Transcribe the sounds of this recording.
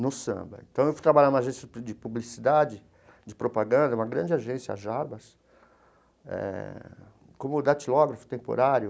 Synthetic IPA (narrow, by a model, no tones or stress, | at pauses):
nʊsɐ̰̃bɐ̰ḛ̃t̪ɐ̃w̃ewfot̪ɾabaljanũmaʒẽsjɐd͡ʒɪpublisid̪ad͡ʒɪ | d͡ʒɪpɾopaɡɐ̃nd̪ɐũmɐɡɾɐ̃d͡ʒɪaʒẽsjɐa̰ʒaɾbɐs | ɛ̰ | kõmʊd̪at͡ʃilɔɡɾɐfʊ̥t̪ẽpo̰ɾaɾjʊ